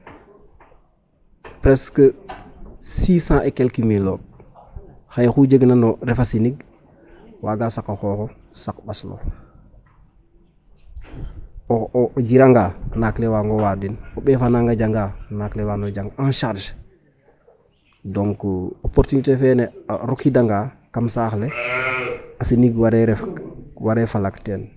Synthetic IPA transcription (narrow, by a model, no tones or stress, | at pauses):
pɾeskə | siːsãːʔekelkimilo | xajxud͡ʒəɡnanoɾefasiniɡ̚ | waːɡasakaxoːxo | sakbaslo̰ | d͡ʒiɾaŋɡanaklewaːŋɡowadinoɓɛfanaŋɡad͡ʒaŋɡanaklewanod͡ʒaŋɡanʃaɾʃ | doŋkuopoɾtunitefeneɾukidaŋɡa | kamsaːxle | asiniɡwaɾeɾɛfwaɾefalakten